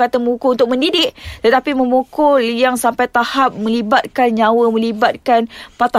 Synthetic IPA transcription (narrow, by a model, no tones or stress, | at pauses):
at̪amukuunt̪ʊk̚mə̃ndidɪʔt̪ət̪apimə̃mukʊljaŋsampajt̪ahap̚mə̃libat̪̚kanɲãwəmə̃libat̪̚kanpat̪a